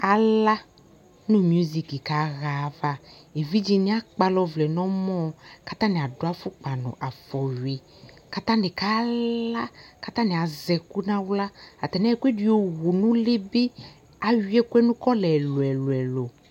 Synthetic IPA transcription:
a˨la˦ | nũ˦mju˦zi˨ki˨ka˨˦ɣa˨˦va˦e˨vi˦d͡ʒi˨nĩ˦a˦k͡pa˦lɔ˦vlɛ˨nɔ̃˦mɔ̃˦ka˦t̪ã˦nẽ˨a˨do˨˦a˦fu˦k͡pa˨nɔ̰̃˨ʔa˨fɔ˨ɥe˨ | ka˦t̪ã˦ne˨ka˦la˦ka˦t̪ã˦nẽ˨a˨zɛ˨ku˦nã˦wla˦a˨t̪ɛ˨nɛ˦˨kʷe˦di˨o˨wu˨nũ˦le˦be˦ | a˨ɥi˦ɛ˦kwɛ˦nũ˦kɔ˦lɛ˨lo˨ɛ˨lo˨ɛ˨lo˨

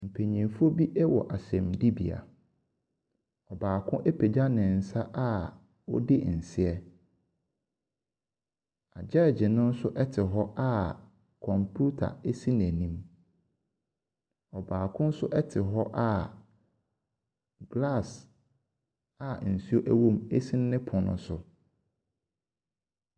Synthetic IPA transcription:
m̩˨pʰe˨ɲĩ˨fu˦o˦bi˦ʔɛ˦wɔ̰˨ʔa˨sɛ̃˨mdi˦bḭ˨a̰˨ | ɔ˨baː˨kʰʊ̃˦ʔɛ˦pʰe˨d͡ʑa˦nɪ̃˨n̩˨sa˦ʔa˦ | wɔ̰˦dɪ˦n̩˨sɪ˦ɛ˦ | a˨d͡ʑɛ˦˨d͡ʑɪ˨nʊ̃˦n̩˦sʊ˦ʔɛ˦tʰɪ˨ɦɔ˦ʔa˦ | kʰɔ̃˨mpʰu˦tʰa̰˨e˦si˦n˨æ˨nĩ˦m | ɔ˨baː˨kʰʊ̃˦n̩˦sʊ˦ʔɛ˦tʰɪ˨ɦɔ˦ʔa˦˨ | ɡla˦˨s | a˨n̩˨si˦o˦ʔæ˦wõ˦me˦si˦n˦nɪ̃˦pʰʊ̃˨nʊ̰̃˦sʊ˨

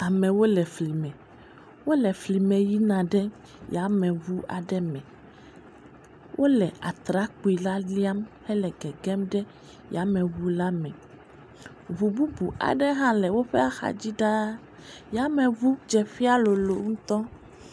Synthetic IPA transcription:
a˨mɛ̃˨wo˦lɛ˨fli˨mɛ̃˨ | wo˦lɛ˨fli˨mɛ̃˨ji˦nã˨ɖɛ˦ | ja˨˦mɛ̃˨βu˦ʔa̰˨ɖɛ˦mɛ̃˨ | wʔo˦lɛ˨ʔa˨t̪ɾa˨˦k͡pu˨i˨la˦li˦a˦mhɛ˦lɛ˨ɡɛ˨ɡɛ˦mɖɛ˦ | ja˨˦mɛ̃˨βu˦la˦mɛ̃˨ | vu˨bu˦bu˨a̰˨ɖɛ˦ɦã˦lɛ˨wo˦ɸɛ˦a˦xa̰˨d͡ʑi˦ɖa˦ | ja˨˦mɛ̃˨vu˦d͡ʒɛ˨ɸi˦a˦lo˨lo˨ŋũ˦t̪ɔ˦

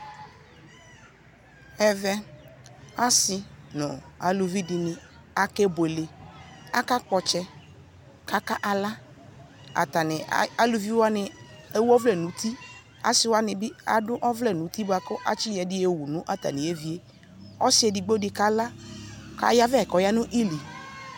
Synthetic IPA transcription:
ɛ˨vɛ˦ | a˦sɪ˨nʊ̰̃˨a̰˨lu˨vi˦dɪ˨nɪ˨ | a˨kɛ˦bʊ˨e˨le˨a˦ka˦kɔ˨t͡ʃɛ˦ | ka˦ka˦ʔa˨la˦ | a̰˨t̪a˨nɪ˨a˨lu˨vi˦wa˦nɪ˨e˦wɔ˦vlɛ˦˨nũ˨˦t̪ʰi˦ | a̰˨sɪ˨˦wa˦nɪ˨bɪ˦a̰˨dʊ˦ʔɔ˦vlɛ˦˨nũ˨˦t̪i˦ba˨kʊ˦ʔa˦t͡ʃi˦jɛ˨dɪ˦e˦wu˨nʊ̃˦ʔa˨t̪a̰˨nɪ̃˨e˦vi˦e˦ | ɔ˦sɪ˦ɛ˨di˨ɡ͡bo˦dɪ˦ka˦la˦ka̰˨ja˦vɛ˦˨kɔ˨ja˦nʊ̃˦ʔi˦li˨

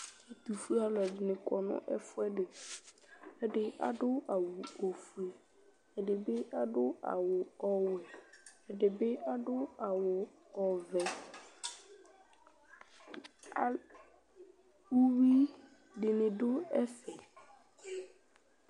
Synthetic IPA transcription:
ɛ˦t̪u˨fu˦a˦lɔ˨dɪ˨nɪ̃˨kɔ˨nʊ̰̃˦ʔɛ̰˦fʊ˦ɛ˦dɪ˨ | ɛ˨dɪ˨a̰˨dʊ˦a˨wʊ˨ɔ˨fu˨e˨ | ɛ˨dɪ˨bɪ˦a˦dʊ˦a̰˨wʊ˨ɔ˨wɛ˨ɛ˨dɪ˨bɪ˦ʔa˦dʊ˦a˨wʊ˨ | ɔ˨vɛ˨ | a˨ | u˦wi˦ | dɪ˨nɪ̃˨dʊ˦ɛ˦fɛ˨

